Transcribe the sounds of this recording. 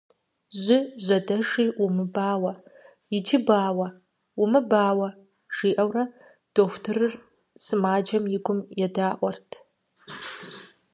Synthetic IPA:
ʑʷɪʑʷɐdɐʂiːʔumɨbaːwɐ | jɪd͡ʒɪbaːwɐ | umɨbaːwɐ | ʒ̥iːʔɐwrɐ | d̥oːxʷʊtʰɨrɨr | sɨmaːd͡ʒɐmjɪɡʷʊmjɛdaːʔʷɔrtʰ

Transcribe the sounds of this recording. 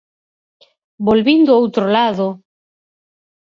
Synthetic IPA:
bolβind̪ʊowt̪ɾolaðo

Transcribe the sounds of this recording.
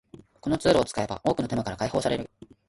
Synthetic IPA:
ko̞no̞t͡sɨːɾoːt͡sɨ̥kae̞ba̰ʔo̞ːkɯ̟no̞t̪emakaɾakaiho̞ːsaɾe̞ɾɯ̟

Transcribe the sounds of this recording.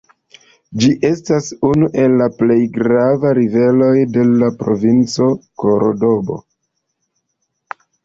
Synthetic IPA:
d͡ʒiʔe̞stasunuʔe̞lːaple̞jɡɾavaɾive̞lo̞jde̞lapɾo̞vint͡so̞ko̞ɾodo̞bo̞̰

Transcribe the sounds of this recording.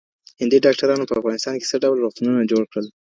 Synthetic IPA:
hɪnd̪iɖɑk̚ʈaɾɑnopəafɣɑnɪst̪ɑnke̥səɖawlɾoxt̪ununad͡ʒoɽkɽəl

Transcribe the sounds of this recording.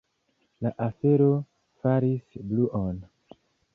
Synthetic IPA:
laʔafe̞ɾo̞ | faɾisbluʔon

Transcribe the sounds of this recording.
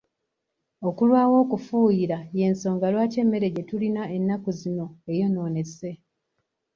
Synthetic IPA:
o̞kulwaːwo̞ːkufuːjiɾaje̞nso̞ːŋɡalwaːce̞ːmːe̞ɾe̞ɟe̞tulinae̞nːakuzino̞e̞jo̞no̞ːne̞se̞

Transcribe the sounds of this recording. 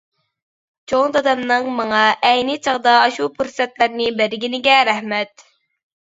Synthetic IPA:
t͡ʃʰoŋd̪ɑd̪ɑmnɨŋmɑŋɑʔɛjnɪt͡ʃʰəʁd̪ɑːʃupʰuɾsɛt̪læɾnɪbæɾɡʲinɪɡʲɛɾæhmɛt̪

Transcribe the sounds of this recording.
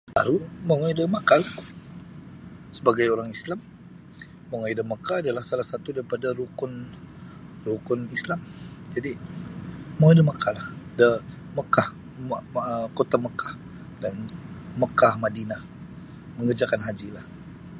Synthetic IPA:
ta̰ɾumaŋaidəmakal | səbaɡajoɾaŋislamː | əŋajdəmakaadalahsalahsat̪udaɾipadaɾukʊn | rukʊnislamd͡ʒadi | maajdəmakʰalahdə | məkah | kot̪aməkḁh | danməkahmadina | məŋərd͡ʒakanɦad͡ʒilah

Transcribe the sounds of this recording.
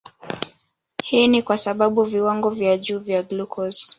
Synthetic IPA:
hiːnikwasaɓaɓuviwaŋɡɔvjaʄuːvjaɡlukʰɔz

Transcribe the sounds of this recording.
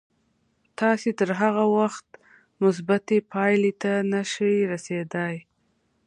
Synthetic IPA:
t̪ɑset̪əɾɦaɣawaxt̪ | mʊs̬bat̪epɑjlet̪anaʃəjɾased̪aj

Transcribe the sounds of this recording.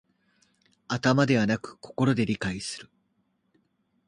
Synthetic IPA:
at̪amad̪e̞βanakɯ̟̥ko̞ko̞ɾo̞d̪e̞ɾʲikaisɨ̥ɾɯ̟

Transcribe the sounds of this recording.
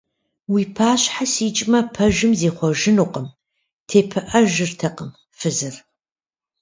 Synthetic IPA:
wiːpʰaːɕħasiːt͡ʃʼmɐpʰɐʒɨmzeːχʷɔʒɪnuːqʼəm | tʰeːpʰɨʔɐʒɨrtʰɐqəm | fɨzɨr

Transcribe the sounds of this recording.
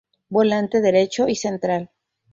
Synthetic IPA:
bolant̪eðeɾe̞t͡ʃoisent̪ɾal

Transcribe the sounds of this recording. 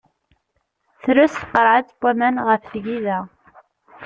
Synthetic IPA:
θɾʊsθqːəɾˤʕat͡sb̥ʷːæmænʁəfθʝiðæ

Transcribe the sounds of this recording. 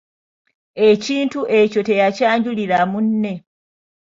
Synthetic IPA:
e̞ciːntuʔe̞co̞te̞jacaːɲɟuliɾamunːe̞

